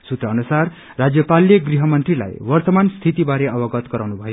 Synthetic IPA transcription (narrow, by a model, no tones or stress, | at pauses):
sut̪rʌʌnusarː | ad͡zjʌpaljʌɡriɦʌmʌnt̪rila̰jwʌrt̪ʌmanst̪ʰit̪ibaɾeʌbʌɡʌt̪ɡʌɾawnubʱʌjo